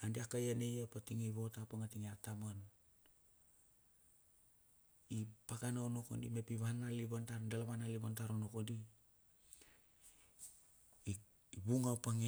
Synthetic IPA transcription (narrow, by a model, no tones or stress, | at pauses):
andiakajanejapatiŋejβo̞tapaŋatiŋeatamon | ipakanaono̞ko̰ndḭmepiβanaliβantaɾdalaβanaliβantaɾonokodi | βuŋawpaŋe